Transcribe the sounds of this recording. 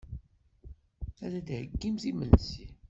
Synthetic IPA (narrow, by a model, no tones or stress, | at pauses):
ælæd̪həɡːimθiməlsi